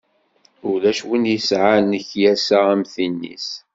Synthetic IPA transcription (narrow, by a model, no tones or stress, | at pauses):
ʊɾlæʃwənjəsʕanəçjæsaʁæmθinːḭs